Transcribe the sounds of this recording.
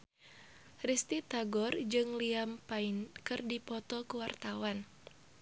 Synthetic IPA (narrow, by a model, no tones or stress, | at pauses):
rist̪it̪aɡɔrd͡ʒɨŋliampainkɨrdipɔt̪ɔkuwart̪awan